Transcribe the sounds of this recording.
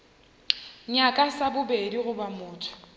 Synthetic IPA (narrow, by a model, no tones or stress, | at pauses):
ɲakʼasabʊbediɣʊbamʊːtʰɔ̥